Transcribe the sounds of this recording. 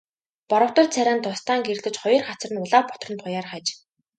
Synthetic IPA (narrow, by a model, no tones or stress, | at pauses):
pɔɾɞ̆w̥t̪ə̆rt͡sʰæɾʲaːnt̪ʰʊst̪aːŋɡerɮɘ̆t͡ɕχɔjɞ̆rχat͡s̆rə̆nʊɮaːpɔ̥t̪rə̆nt̪χʊjaːrχat͡ɕ